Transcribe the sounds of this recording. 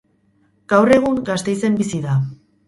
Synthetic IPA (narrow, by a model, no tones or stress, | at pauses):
ɡ̥awre̞ɣ̞uŋɡast̪e̞jse̞mbisiða